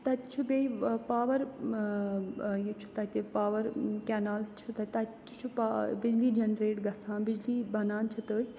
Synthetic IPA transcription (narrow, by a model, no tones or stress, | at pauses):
t̪ɐt̪ʲt͡ʃʰubeipaːʋɐɾ | jit͡ʃʰu̥t̪ɐt̪ipaːʋɐɾkɛːnaːlt͡ʃʰut̪ɐt̪ɐt̪t͡ʃʰt͡ʃʰupabɪd͡ʒliːd͡ʒɐnɾeːʈɡɐt͡sʰãːbɪd͡ʒliːbɐnaːnt͡ʃʰit̪əːj